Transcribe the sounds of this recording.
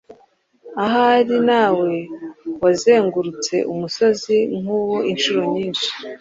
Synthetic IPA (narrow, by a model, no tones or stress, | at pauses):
aɦaɾinaːwe̞waze̞ːŋɡuɾut͡se̞̰ʔumuso̞ziŋ̥uːwoʔinʃuɾo̞ɲiːnʃi̥